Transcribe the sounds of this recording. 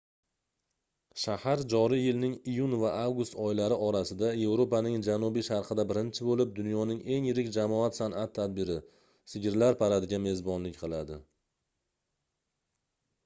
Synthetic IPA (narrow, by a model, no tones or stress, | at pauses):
ʃahaɾd͡ʒɒɾijɪlnɪŋijʊnvaʔavɡʊst̪ɒjɪlaɾɪɒɾasɪd̪aje̞vɾopanɪŋd͡ʒanubiʃaɾqʰɨd̪abɪɾɪnt͡ʃʰɪbolɪp̚d̪ʊnjɒnɪŋe̞ŋjɪɾɪkʲd͡ʒamɒat̪sanat̪ʰːad̪̚bɪɾɪ | sɪɡʲɪɾlaɾpʰaɾad̪ɪɡʲame̞zbɒnlɪkʲqʰɨlˠad̪ɪ